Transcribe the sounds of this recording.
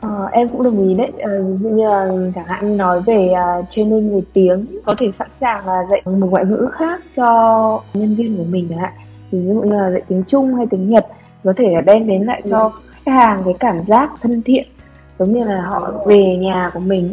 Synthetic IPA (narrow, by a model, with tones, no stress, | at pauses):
ʔəː˨˩ʔɛ˧mkʊ̰˧˥ŋ͡mɗɨ˨˩əŋʔi˨˦ɗə˨˦jʔəː˨˩˨zṵ˧ɲɨ˧˩laː˨˩t͡ɕaː˧˩ŋha̰ː˧˨ŋɲɨ˧nɔ˨˦jve˨˩əː˨˩t͡ɕwe˧ni˧nŋɨ˨˩jt̪i˨˦əŋkɔ˨˦t̪ʰe˧˩sa̰˧˥nsaː˨˩ŋlaː˨˩zə̰˧˨jmə˨˩ŋwa̰ː˧˨ŋɨ̰˧˥xaː˦˥k̚t͡ɕɔ˧ɲə˧nvi˧ənku˧˩əmï˨˩ŋ̟˨˦la̰ː˧˨j | t̪ʰi˨˩z̰zṵ˧˨ɲɨ˧laː˨˩zə̰˧˨jt̪i˨˦əŋt͡ɕʊ˧ŋ͡mha˧jt̪i˨˦ŋɲə˨˩t̚ | kɔ˨˦t̪ʰe˧˩laː˨˩ɗɛ˧nɗe˨˦nla̰ː˧˨jt͡ɕɔ˧xa˦˥k̚haː˨˩ŋkaː˨˦jkaː˧˩mzaː˦˥k̚t̪ʰə˧nt̪ʰḭ˧˨ən | zə˨˦wŋ͡mɲɨ˧laː˨˩ɦɔ̰˧˨ve˨˩ɲaː˨˩ku˧˩əmï˨˩ŋ̟